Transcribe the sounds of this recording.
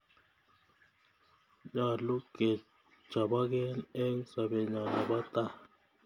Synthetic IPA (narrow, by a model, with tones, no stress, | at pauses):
ɲa˨lu˦ɡ̥ɛ̥˨ | ʒ̥ʱa˨ɓa˦k̬ɛ˦nɛ˦ŋ˦sa˨ɓɛ˨ɲa˨la˨ɓa˦t̪ʼa˦˨